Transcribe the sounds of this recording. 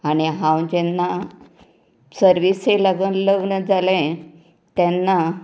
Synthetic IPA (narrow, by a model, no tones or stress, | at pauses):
aɽ̃iɦãwd͡ʑɛnːa | səɾʋiseləɡənləɡɳəd͡zalẽ | t̪ãnːa